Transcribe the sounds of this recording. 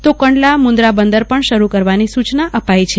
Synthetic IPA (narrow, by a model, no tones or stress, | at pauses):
t̪okəɳɖlamʊ̃nd̪ɾabənd̪əɾpəɳʃəɾukəɾʋanisut͡ʃnaʔəpajt͡ʃʰe